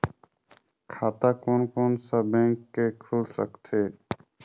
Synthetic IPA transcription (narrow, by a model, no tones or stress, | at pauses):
kʰat̪akonkonsəbɛ̃ŋkːekʰulsə̰ktʰe